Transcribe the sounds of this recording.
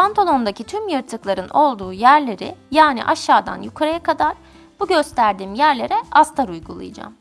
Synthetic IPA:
pʰant̪ʰalˠo̞nd̪acʰit̪ʰymjɯɾt̪ʰɯklˠaɾɯno̞lˠd̪uːjæɾlʲe̞ɾɪ̰jaːnḭʔaʃːaːd̪a̰njukʰaɾajakʰad̪aɾ | b̥uɟø̞st̪ʰæɾd̪iːmjæɾlʲe̞ɾɛast̪ʰaɾujɡulˠɯ̰jad͡ʒa̰m

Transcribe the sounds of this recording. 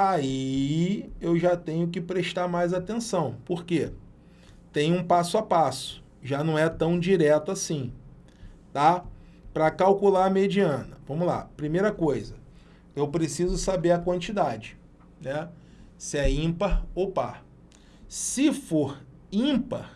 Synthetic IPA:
ai | ewʒat̪ẽɲʊk̬ɪpɾeʃt̪aɾmajzat̪ẽsɐ̃w̃poɾke | t̪ẽj̃ʊũpasʊapasʊ̥ | ʒanɐ̃w̃ɛt̪ɐ̃w̃d͡ʒiɾɛt̪ʊasĩ | t̪a | pɾɐkawkulaɾmed͡ʒiɐ̃nɐvɐ̃mʊla̰pɾimejɾɐkojzɐ | ewpɾesizʊsabeɾɐkwɐ̃nt͡ʃid̪ad͡ʒɪ̥ | nɛ | sɪɛĩpɐowpa | sɪfoɾ | ĩpɐ̰

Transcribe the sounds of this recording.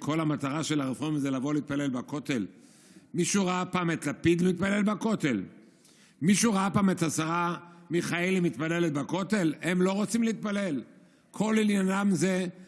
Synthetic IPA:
kʰo̞lamat̪aʁaʃe̞laʁefʁozelavo̞leiit̪̚pale̞lbako̞t̪el | miʃuʁaapaːmet̪lapid̪limit̪̚pale̞lbako̞t̪e̞l | miʃuʁaapaːmet̪hasaamiχaelimit̪̚pale̞let̪̚bako̞t̪e̞lemlo̞ʁot͡simleit̪̚pale̞l | kʰo̞liljanamze

